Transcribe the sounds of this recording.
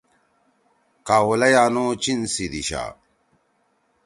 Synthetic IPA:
kaːwulɐjaːnot͡ɕinsid̪iɕa̰ː

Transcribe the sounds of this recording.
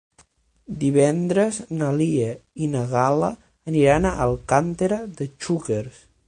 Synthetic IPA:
d̪iβɛnd̪ɾəznəliəinəɣalə | əniɾanaʔəlˠkant̪eɾəðət͡ʃukeɾs

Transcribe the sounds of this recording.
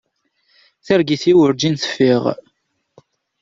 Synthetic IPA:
θəɾɡiθiwəɾd͡ʒinθə̥fːiʁ

